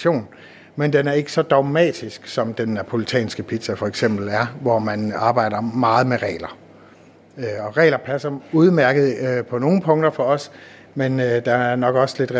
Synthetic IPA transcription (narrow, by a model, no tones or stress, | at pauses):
o̝̰ːn | mend̥enæɐe̝ɡ̥əsɒ̽d̥ɑ̈ʊmɛ̰ːd̥isɡ̥sɒ̽md̥enːæpʰo̝lit͡sʰɛ̰ːnsɡ̥əpʰid̥sæfɒ̽eɡ̥sem̰b̥l̩æɐʋɒmænɑ̈ːb̥ɑ̈ɪ̰d̥ɐmɑ̈ːð̞̩ˠmeʁɛ̰ːlɐ | ɒ̽ʁɛ̰ːlɐpʰæsɐuð̞ˠmæɐɡ̥ð̞̩ˠpʰɒ̽no̝ːn̩pʰɔ̽ŋ̰d̥ɐfɒ̽ɒ̽s | mend̥ɑæɐnɒ̽ɡ̥ɒ̽sle̝d̥ʁ